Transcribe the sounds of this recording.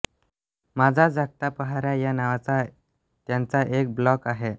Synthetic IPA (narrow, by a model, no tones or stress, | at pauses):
mad͡zʱad͡zʱak̚t̪apəɦaɾjajanaʋat͡sa | t̪jant͡saʔek̚blɔkaɦe